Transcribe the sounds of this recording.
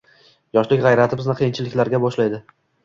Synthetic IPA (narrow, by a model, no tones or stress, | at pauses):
jɒʃlɪkʲʁajɾat̪ʰɪbɪznɪqʰejɪnt͡ʃʰɪlɪkʲlaɾɡʲabɒʃlajd̪ɪ